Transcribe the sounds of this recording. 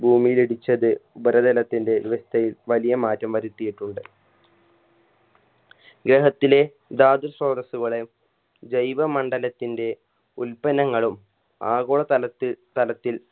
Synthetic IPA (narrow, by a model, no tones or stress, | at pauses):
bʱuːmijileɽit͡ɕːɐðɨubɐɾɐd̪ɐlɐt̪ːinde̞diʋɐst̪ʰɐjilʋɐlijɐmaːtːɐmʋɐɾut̪ːijiʈːuɳɖɨ | ɡɾeɦɐt̪ːile̞ | d̪aːd̪usroːd̪ɐsuɣɐɭem | d͡ʑɐjʋɐmɐɳɖɐlɐt̪ːinde̞ | ulpɐnɐŋːɐɭum | aːɣoːɭɐɐt̪ɐlɐt̪ːil